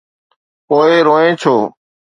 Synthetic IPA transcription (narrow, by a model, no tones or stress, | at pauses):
poːeːɾoːẽːt͡ʃʰoː